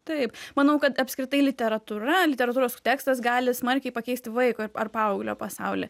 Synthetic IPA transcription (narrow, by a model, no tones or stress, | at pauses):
t̪ɐɪpmɐnɐʊkɐt̪ɐpʲskɾʲɪt̪ɐɪlʲɪt̪ʲɛɾɐt̪uɾɐlʲɪt̪ʲɛɾɐt̪uːɾoːst̪ʲæːkst̪ɐsɡɑːlʲɪsmɐɾʲkʲɛɪpɐkʲɛɪsʲt̪ʲɪʋɐɪkoɐrpɑːɐʊɡlʲoːpɐsɑʊlʲɪ̰